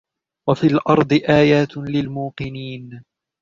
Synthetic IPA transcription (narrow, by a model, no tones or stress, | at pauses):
wafiːlʔɑɾˤd̪ˤɨʔaːjaːt̪lɪlmuːqɨniːn